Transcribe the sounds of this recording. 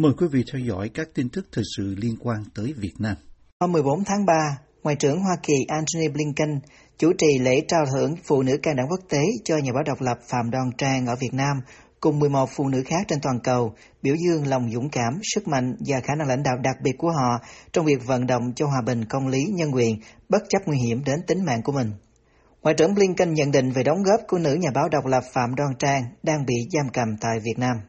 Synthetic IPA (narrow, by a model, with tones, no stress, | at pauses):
məː˨˩jkwi˨˦vḭ˧˨t̪ʰɛ˧wzɔ̰˧˥jkaː˦˥k̚t̪i˧nt̪ɨ˦˥k̚t̪ʰəː˨˩k̚sɨ̰˧˨li˧ənkwaː˧nt̪əː˨˦jvi˨˩ət̚naː˧m | hoː˧mːɨ˨˩əjɓo˨˦nt̪ʰaː˨˦ŋɓaː˧ | ŋwa̰ː˨jt͡ɕɨ˧˩əŋɦwaː˧ki˨˩ʔaː˧nt̪o˧ni˧ɓli˧ŋkə˧ŋ | t͡ɕu˧˩t͡ɕi˨˩lḛ˧˥t͡ɕaː˧˩t̪ʰɨ̰˧˩˥əŋfṵ˧˨nɨ̰˧˥kaː˧ŋɗa̰ː˧˥ŋku˦˥k̚t̪e˨˦t͡ɕɔ˧ɲaː˨˩ɓaː˨˦wɗə˨˩wk͡p̚lə˨˩p̚fa̰ː˧˨mɗɔ˧nt͡ɕaː˧ŋʔəː˧˩vi˨˩ət̚naː˧m | kʊ˨˩ŋ͡mmːɨ˨˩əjmo˨˩t̚fṵ˧˨nɨ̰˧˥xaː˦˥k̚t͡ɕe˧nt̪waː˨˩nkə˨˩w | ɓi˧˩əwzɨ˧əŋla˨˩wŋ͡mzʊ̰˧˥ŋ͡mkaː˧˩msɨ˦˥k̚ma̰˧˨jŋ̟vaː˨˩xaː˧˩na˧ŋla̰˧jŋ̟ɗa̰ː˧˨wɗa˨˩k̚ɓi˨˩ət̚ku˧˩əɦɔ̰˧˨t͡ɕɔ˧wŋ͡mvi˨˩ək̚və̰˧˨nɗo̰˧˨wŋ͡mt͡ɕɔ˧ɦwaː˨˩ɓï˨˩ŋ̟kə˧wŋ͡mli˨˦ɲə˧nkwḭ˧˨ən | ɓə˦˥t̚t͡ɕə˦˥p̚ŋwi˧ɦi˧˩əmɗe˨˦nt̪ï˨˦ŋ̟ma̰ː˧˨ŋku˧˩əmï˨˩ŋ̟ | ŋwa̰ː˧˨jt͡ɕə̰˧˩əŋli˧ənki˧ŋ̟ɲə̰˧˨nɗḭ̈˧˨ŋ̟ve˨˩ɗə˨˦wŋ͡mɣɔ˦˥p̚ku˧˩ənɨ̰˧˥ɲaː˨˩ɓaː˨˦wɗə˨˩wk͡p̚lə˨˩p̚fa̰ː˧˨mɗwaː˧ŋt͡ɕaː˧ŋɗaː˧ŋɓḭ˧˨zaː˧mkə˨˩mt̪a̰ː˧˨jvi˨˩ət̚naː˧m